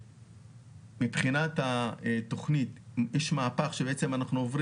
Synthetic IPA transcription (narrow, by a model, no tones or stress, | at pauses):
mipχinatato̞χnit̪jɛʃmaːpaχʃebeet͡se̞manaχnuovʁ